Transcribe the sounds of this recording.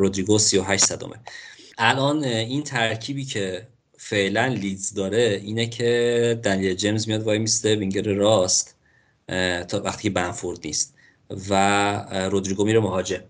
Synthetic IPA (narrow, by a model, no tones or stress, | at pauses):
ɾod̪ɾiːɡosijoɦæʃt̪sæd̪o̰mʔeʔælʔɒːniːnt̪ʰæɾcʰiːbiːcʰe̞ | feʔlænlit̪zd̪ɒːɾe̞iːnecʰe̞d̪ænijeld͡ʒe̞mzmijɒːd̪vɒːjmisd̪eviŋɟeɾeɾɒːst̪ | t̪ʰvæxt̪iːcʰebænfoɾd̪niːst̪ | væɾod̪ɾiɡomiːɾemoɦɒːd͡ʒe̞m